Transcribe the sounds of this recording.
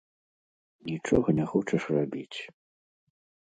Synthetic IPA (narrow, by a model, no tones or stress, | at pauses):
nʲit͡ʂɔɣɐnʲɛxɔt͡ʂɐʂrabʲit͡sʲ